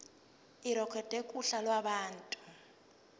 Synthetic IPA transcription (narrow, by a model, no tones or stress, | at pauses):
iɾɔkʰwɛd̥ʱekʼuɬalwaɓaːntʼu̥